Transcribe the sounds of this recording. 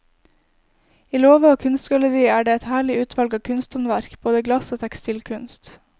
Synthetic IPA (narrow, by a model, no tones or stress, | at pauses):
iːloːʋəoːkʰʉnst̪ɡɑləɾiːæːɖeːɛt̪hæːɭɪʉːt̪ʰʋɑlɡɑːkʰʉnst̪ɔnʋæɾkb̥oːd̪əɡlɑsoːt̪ʰækst̪iːlkʰʉnst̪